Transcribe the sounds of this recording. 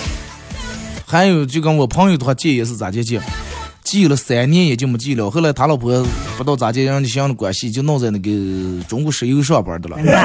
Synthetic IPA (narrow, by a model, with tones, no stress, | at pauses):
xa˧˥njo˨˩ʊt͡ɕjo˥˩kɑ˥wɔ˨˩pʰɑ˥ŋju˧˩d̪ə˧xwa˥˧t͡ɕjɛ˥˩jɛ˨˥ʂ̬̩˥˩t͡sa˨˩t͡ɕjɛ˥t͡ɕjɛ˥˩ | t͡ɕi˥˩lə˩sa˧˩ɪnjɛ˥njɛ˨˩t͡ɕjmə˧˥t͡ɕi˥˩lʊ˨˧xo˥˩la˧˥t̪ʰa˧˥lɑ˨˩ʊpʰɔ˧˥pu˧˥t̪ɑ˥˩ʊt͡sa˧˩t͡ɕjɛ˥˧˥ɕɑ˥˧d̪ə˧kwa˨˩ɕi˥˩t͡ɕjo˥˧nɑ˥˧ŋt͡sɪna˥˩ɡə˧ʈ͡ʂʊ˧˥ŋku˥˩ʂɻ̩˧˥i˧˥ɡʂ̬wa˥˩pə̰˞˨˧˥d̪ə˧lə̰˨